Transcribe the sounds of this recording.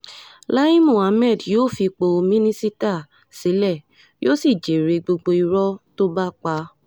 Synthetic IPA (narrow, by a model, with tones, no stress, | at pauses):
la˦i˦mũ˦˨a˧˦mɛ˦˨djoː˦˨fi˧k͡po˧mĩ˦nĩ˦si˦ta˦˨ | si˨˦lɛ˦˨ | jo˦si˦˨d͡ʒe˨ɾe˨˧ɡ͡bo˧ɡ͡bo˧i˧ɾɔ˦to˦ba˦k͡pa˧